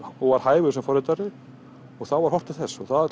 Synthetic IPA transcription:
ɔɣvaɾ̥haːjvʏsɛmfɔɾɪt̪aɾɪ | ɔɣθawvaɾ̥hɔr̥t̪ɪ̥θɛsːɔɣθað

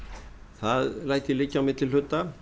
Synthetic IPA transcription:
θaðlaːjt̪ilɪcːamɪt̪ʰɪlhʏt̪ːa

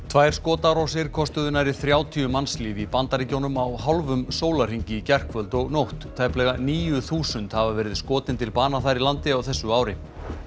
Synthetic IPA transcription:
t̪ʰvaːjɾ̥skɔːt̪aɾawsɪɾ̥kʰɔst̪ʏðʏnaɾɪθɾjaːwt̪ʰiʏmansliːvipant̪aɾɪcoːwnʏmawɦalvʏmsoːwlar̥iɲcɪicɛr̥kvœlt̪ɔɣnowht̪ʰːaːjplɛːɣaniːjʏθuːsʏnt̪havavɛːɾɪðskɔːt̪ɪnt̪ʰɪlpaːnaθajɾilant̪ɪawθɛsːʏaːwɾɪ

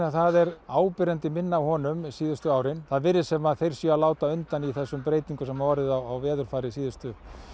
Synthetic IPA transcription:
θaðɛɾaːwpɪɾɛnt̪ɪmɪnːaːhɔːnʏmsiːðʏst̪ʏaːwɾɪnθaðvɪɾːɪ̥sɛmaðθejɾ̥sjialaːwt̪aʏnt̪aniθɛsːʏmpɾeːjt̪iŋkʏsɛmavaːɾɪðawawvɛːðʏɾ̥faːɾɪsiːðʏst̪ʏ

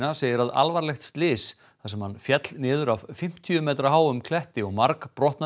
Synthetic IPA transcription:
naseːjɪɾaða̰lvaɾlɛxt̪st̪lɪːs | θasɛmhanfjɛt̪lnɪːðʏɾavfɪm̥t̪ʰjʏmɛːt̪ɾaɦaːwʏmkʰlɛht̪ɪɔɣmaɾkpɾɔht̪na

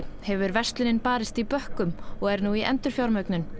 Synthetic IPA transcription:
hɛvʏɾvɛst̪lɪnɪnpaːɾɪst̪ipœhkʏmɔɣɛɾnuiʔɛ̰nt̪ʏɾ̥fjawɾmœɥknʏn

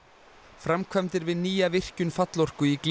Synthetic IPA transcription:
fɾamkʰvamt̪ɪɾvɪðniːjavɪr̥cʏnfat̪lɔr̥kʏikl

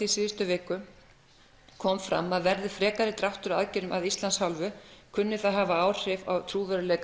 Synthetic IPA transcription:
isɪːst̪ʏvɪːkʏ | kʰɔmfɾa̰mːaðvɛɾðɪfɾɛːkaɾɪt̪ɾawht̪ʏɾaðcɪnʏmʔaðist̪lanshalvʏkʰʏnːɪθaðɦaːvaaːwr̥ɪva̰wt̪ʰɾuːvœɾʏlɛk

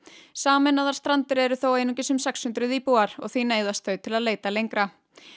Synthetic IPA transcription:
saːmɛnaðaɾ̥st̪ɾant̪ɪɾɛɾʏθowejnuŋcɪsʏmsɛkshʏnt̪ɾʏðipuaɾ̥ɔɣθineːjðast̪θœɥt̪ʰɪlaðleːjt̪alejŋkɾa

